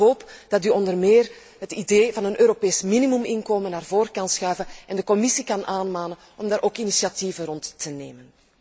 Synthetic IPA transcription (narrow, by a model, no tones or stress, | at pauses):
ɦoːpd̥ɑtyɔndərmeːr | ɦətideːvɑnənøːɾopeːsminimymɪnkoːmənaːrvoːɾkɑnsxœɥvənɛndəkɔmɪsikɑnʔaːnmaːnən | ɔmdaːɾʔoːkinisiɑtivərɔntːəneːmən